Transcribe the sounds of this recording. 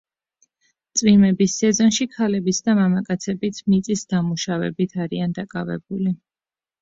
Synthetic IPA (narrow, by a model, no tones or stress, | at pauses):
t̪sʼwimɛbisːɛzɔnʃikʰalɛbisd̪amamakʼat̪sʰɛbit̪ʰmit̪sʼisd̪amuʃavɛ̰bit̪ʰaɾiand̪akʼavɛ̰buli